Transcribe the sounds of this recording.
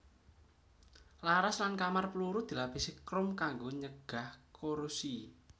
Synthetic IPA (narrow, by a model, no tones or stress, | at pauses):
laɾaslankamarpəluɾud̪̥i̤lapisekɾʊmkaŋɡoɲəɡ̥ahkʰoɾusi